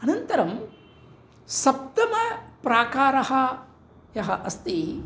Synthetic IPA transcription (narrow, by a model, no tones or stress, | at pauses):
ɐnɐnt̪ɐɾɐm | sɐp̚t̪ɐmɐpɾaːkaːɾɐhɐ̆ | jɐɦɐʔɐst̪i